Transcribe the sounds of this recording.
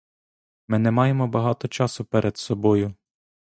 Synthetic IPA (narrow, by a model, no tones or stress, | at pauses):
mɪnɛmɑjemɔbɐɦɑt̪ɔt͡ʃɑsʊpɛɾʔed̪sɔbɔjʊ